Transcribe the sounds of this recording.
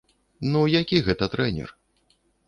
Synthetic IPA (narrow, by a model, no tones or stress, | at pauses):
nujakʲiɣɛt̪ɐt̪ɾɛnʲɛ̰r